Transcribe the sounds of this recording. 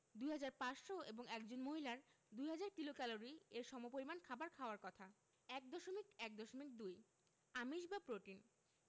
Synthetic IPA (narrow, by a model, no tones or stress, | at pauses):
d̪ujɦad͡ʑaɾpaʃʃoeboŋɛkd͡ʑonmoɦilaɾ | d̪ujɦad͡ʑaɾkilokɛloɾieɾʃɔmopoɾimankʰabaɾkʰaoaɾkɔt̪ʰa | ɛk̚d̪ɔʃomikɛk̚d̪ɔʃomik̚d̪uj | amiʃbapɾoʈin